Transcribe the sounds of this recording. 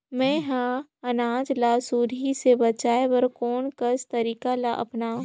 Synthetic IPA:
mɛ̃ɦãɐnaːd͡ʒlasuːɾisebɐt͡ʃaːebɐɾkoːnkɐst̪ɐɾiːkalaʔɐ̰pnãː

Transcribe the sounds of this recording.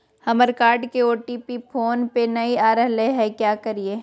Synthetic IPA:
hɐməɾkaːɾɖkeoːʈiːpipʰoːnpenɐiaːɾəɦleɦɛkjaːkɐɾieː

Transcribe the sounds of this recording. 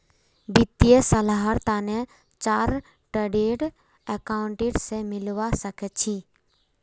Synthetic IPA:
bɪt̪ːijəsəlaɦəɾt̪aːnɛ̃ | t͡ʃaːɾ | ʈəɖeːɖ | ɛkaːʊ̃ɳʈeːʈsemɪlʋasəkʰɛt͡ʃʰiː

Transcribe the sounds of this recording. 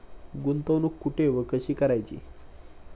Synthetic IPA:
ɡunt̪ənukːuʈʰeʋəkəɕiːkəɾajt͡ɕḭː

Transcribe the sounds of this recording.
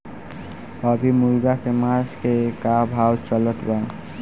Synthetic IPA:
əbʱimulɡakemaskekabʱawt͡ʃələt̪ʰba

